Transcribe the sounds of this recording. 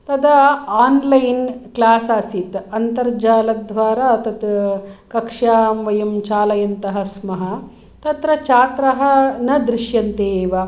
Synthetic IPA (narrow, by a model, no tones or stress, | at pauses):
t̪ɐd̪ɐaːnlɐjnklaːsaːsit̪ɐnt̪ɐɾd͡ʒaːlɐd̪ʱʋaːɾat̪ɐt̪kɐkʂjaːmʋɐjɐmt͡ʃaːlɐjɐnt̪ɐɦɐ̆smɐɦɐ̆ | t̪ɐt̪ɾɐt͡ʃaːt̪ɾɐɦɐnɐd̪ɾiʃjɐnt̪eːʋɐ